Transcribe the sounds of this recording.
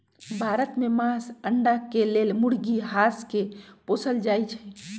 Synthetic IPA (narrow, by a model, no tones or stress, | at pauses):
bʱaːɾət̪memãːsəɳɖakeleːlmʊɽɡiɦaːskepoːsəld͡ʒaːit͡ʃʰɛ